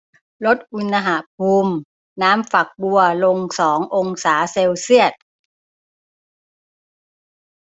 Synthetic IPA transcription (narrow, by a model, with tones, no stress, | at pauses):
lo˦˥t̪̚ʔu˧nːa˧ɦa˨˩pʰuː˧m | naː˦˥mfa˨˩k̚bu˧ɐlo˧ŋsɔː˩˦ŋʔo˧ŋsaː˩˦seː˧wsi˥˩ət̪̚